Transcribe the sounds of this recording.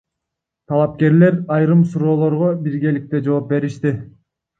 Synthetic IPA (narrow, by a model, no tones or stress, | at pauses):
t̪ʰɑlˠɑp̚ke̞ɾle̞ɾɑjɾɯmsuɾo̞ːlˠo̞ɾʁobiɾɡe̞lik̚t̪e̞d͡ʒo̞ːp̚be̞ɾiʃt̪i